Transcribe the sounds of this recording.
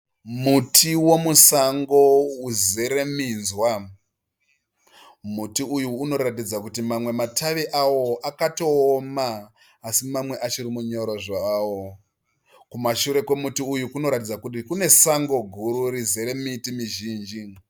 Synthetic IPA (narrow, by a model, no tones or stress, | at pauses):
mutʰiwo̞musaŋɡo̞uzeɾe̞minzwa | mutiujuːno̞ɾatid͡zakutimamwe̞matʰaʋiʔawo̞ʔakato̞ːmaː | simamwe̞ʔat͡ʃiɾimuɲo̞ɾoʐaawo | kumaʃuɾe̞kemutiujukuno̞ɾatid͡zakutikune̞saŋɡo̞ɡʱuɾuɾizeɾe̞mitimiʒiːnd͡ʒi